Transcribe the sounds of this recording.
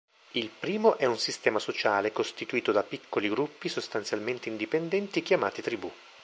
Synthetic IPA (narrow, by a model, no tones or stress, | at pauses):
ilpɾiːmoʔɛunsist̪ɛːmasot͡ʃaːlekost̪it̪uiːt̪od̪apikʰːoliɡɾupːisost̪ant̪sjalment̪eind̪ipend̪ɛnt̪ik̟jama̰ːt̪it̪ɾibu